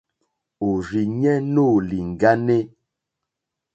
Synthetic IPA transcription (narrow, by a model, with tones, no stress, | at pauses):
o˨ɾi˨ɲɛ˦no˦˨li˨ŋ̩˨ɡa˦ne˦